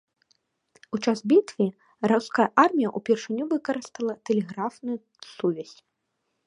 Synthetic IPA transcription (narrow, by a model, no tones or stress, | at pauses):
ut͡ʂasbʲit̪vʲi | rawskajɐʔarmʲijɐʔupʲɛrʂɨnʲːuvɨkɐɾɨst̪ɐlˠɐt̪ɛlʲɛɣɾafnuju | suvʲasʲ